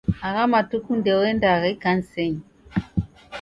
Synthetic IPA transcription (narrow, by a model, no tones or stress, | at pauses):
aɣamatukundɛɔwɛndaɣɛkan̩sɛɲi